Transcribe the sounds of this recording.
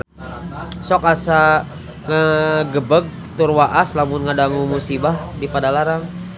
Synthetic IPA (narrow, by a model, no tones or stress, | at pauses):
sɔkasa | ŋəɡəbəɡ̚ | t̪urwaʔaslamʊnŋədaŋumusibahdipadalaɾaŋ